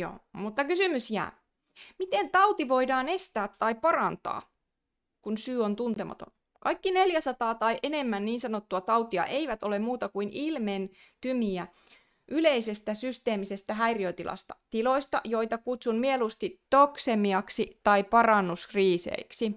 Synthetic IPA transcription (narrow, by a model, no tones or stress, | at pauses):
o̰ːmut̪ːɑkysymysjæ̰ː | mit̪ent̪ɑut̪iʋo̞idɑːne̞st̪æːt̪ːɑipɑrɑnt̪ɑ̰ː | kunsyːont̪unt̪emɑ̰t̪on | kɑikːine̞ljæsɑt̪ɑːt̪ɑiʔene̞mːænniːnsɑnot̪ːuɑt̪ɑwt̪iɑ̰ʔe̞iʋæt̪ole̞mmuːt̪ɑkuinilmen | t̪ymiæ | ʔyleisest̪æsyst̪e̞ːmisest̪æɦæiriøt̪ilʔɑ̰st̪ɑ̥t̪ilo̞ist̪ɑ̰jo̞it̪ɑkut̪sunmielust̪it̪oksemiɑksit̪ɑipɑrɑnːuskriːsḛiksi